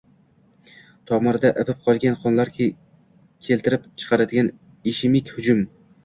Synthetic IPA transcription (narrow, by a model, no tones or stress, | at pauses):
t̪ʰɒmɒɾd̪aʔevɪp̚qʰɒlˠɡʲanqʰɒnlaɾɡʲa | kʲʰe̞lt̪ʰɪɾɪpt͡ʃʰɨ̥qʰɑɾad̪ɪɡʲan | iʃɪmɪkʲhʊd͡ʒʊm